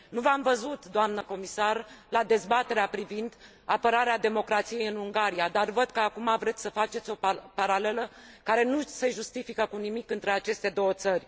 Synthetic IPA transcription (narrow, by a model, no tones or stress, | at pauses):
nuvamvəzut̪d̪oamnəko̞misarlad̪e̞zbat̪e̞ɾeapɾivind̪ | apəɾaɾead̪e̞mo̞kɾat̪sije̞jɨnuŋɡaɾijad̪arvəd̪̚kəakumavɾe̞t̪sʲsəfat͡ʃet̪sʲo̞paɾale̞ləkaɾe̞nuse̞ʒust̪ifikəkunimikɨnt̪ɾe̞at͡ʃe̞st̪e̞d̪o̞wət̪sərʲ